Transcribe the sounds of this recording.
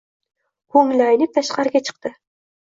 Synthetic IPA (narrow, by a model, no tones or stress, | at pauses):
kʰɵŋlajnɪp̚t̪ʰaʃqɑɾɪɡʲat͡ʃʰɨ̥q̚t̪ɪ